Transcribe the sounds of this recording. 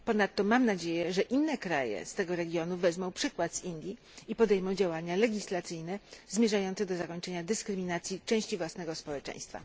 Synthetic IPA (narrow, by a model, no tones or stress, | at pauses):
pɔnat̪ːɔmamnad͡ʑejɛʐɛʔinːɛkɾa̰jɛ̰st̪ɛɡɔɾɛɡʲjɔnuvɛzmɔ̃w̃pʂɘkwad̪z̥ind̪ʲji | ipɔd̪ɛjmɔwd͡ʑawaɲalɛɡʲislat̪sɘjnɛzmʲjɛʐajɔnt̪sɛd̪ɔzakɔɲt͡ʂɛɲad̪ɘskɾɘmʲinat̪sʲjit͡ʂɛ̃w̃ɕt͡ɕivwasnɛɡɔspɔwɛt͡ʂɛ̰̃j̃st̪fa̰